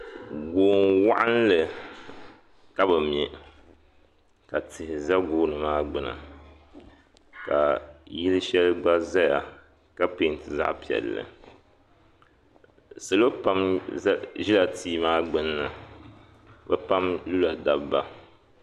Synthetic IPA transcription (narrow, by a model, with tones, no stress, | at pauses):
ɡoː˨nwa̰˦ʔa˦n˦lɨ˨ | ka˦bɨ˨m˨ɛ˨ | ka˨tʰɪ˨hɪ˨za˦ɡoː˦nɨ˨maː˦ɡ͡bɨ˨na̰˨ | ka˨ji˦lɨ˦ʃɛ˦lɨ˦ɡ͡ba˦za˦ja˨ | ka˦pe˨˦˨n˨tɨ˨za̰˦ʔpi˨ɛ̰˨lːɨ̰˨ | sɨ˨lo˦pa˦mzʒi˦la˨tiː˦maː˦ɡ͡bɨ˦nːɨ˨ | bɛ˦pa˦mlu˦la˨da˨bba˦